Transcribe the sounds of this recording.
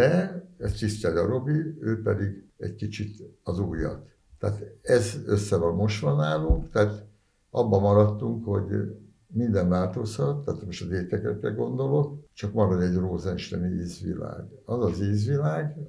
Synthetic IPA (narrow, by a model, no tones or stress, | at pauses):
dɛɛst̪ist̪aɟɒɾo̞biøːpɛd̪iɡɛ̰ɟkit͡ʃit̪ɒzuːjɒ̰t̪ː | aːt̪ɛzøsːɛvɒlmo̞ʃt̪ʋɒnaːluŋkt̪ɛːt̪ | ʔɒbːɒmɒɾɒt̪ːuŋkho̞̰ɟ | mind̪ɛɱvaːlt̪o̞shɒt̪ːaːt̪moʃt̪ɒzeːt̪ɛkɛkrɛ̰ɡo̞nd̪o̞lo̞kt͡ʃɒkmɒɾodɛɟroːzɛnʃt̪ɛnieːzʋḭla̰ːɡ | ɒzɒzeːzʋilaːɡ